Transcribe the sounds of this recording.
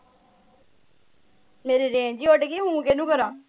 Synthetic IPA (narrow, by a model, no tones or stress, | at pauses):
meːɾeːɾeːnd͡ʒiːoʈɡiːɦũːkenũːkəɾãː